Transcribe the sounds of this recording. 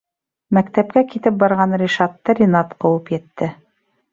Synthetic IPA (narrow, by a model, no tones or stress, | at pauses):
mæk̚t̪æp̚kækit̪ɘp̚bɑɾʁɑnrʲiʃɑt̪ːɤɾʲinɑt̪qɤ̆wɤpjɘ̆t̪ːɘ